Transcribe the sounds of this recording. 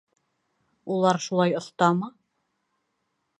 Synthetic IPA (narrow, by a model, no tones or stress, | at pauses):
ulˠɑɾʃulˠɑjŏθt̪ɑmɤ